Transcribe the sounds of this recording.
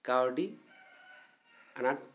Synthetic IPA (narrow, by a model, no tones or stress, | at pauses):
kawɖi | ana